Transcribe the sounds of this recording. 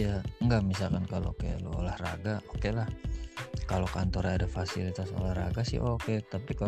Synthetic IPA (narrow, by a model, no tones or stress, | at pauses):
aŋɡamisalkankalo̰kaja̰lo̰o̰lahra̰ɡaokelah | kalokant̪oɾadafasilit̪aso̰lahra̰ɡasɪ̰ɦoket̪apika